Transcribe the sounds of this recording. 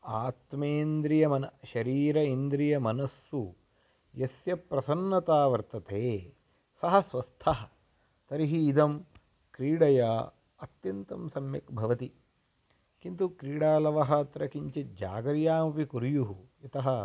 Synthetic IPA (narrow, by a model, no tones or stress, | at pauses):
aːt̪meːnd̪ɾijɐmɐnɐʃɐɾiːɾɐind̪ɾijɐmɐnɐsːu | jɐsjɐpɾɐsɐnːɐt̪aːʋɐɾt̪ɐt̪eː | sɐɦɐsʋɐst̪ʰɐɦɐ | t̪ɐɾiɦiːd̪ɐm | kɾiːɽɐjaː | ɐt̪jɐnt̪ɐmsɐmjɐ̰kbʱɐʋɐt̪i | kint̪ukɾiːɽaːlɐʋɐɦɐt̪ɾɐkiɲt͡ʃed͡ʒa̰ːɡɐɾjaːmɐpikuɾjuɦuɐt̪ɐɦɐ̆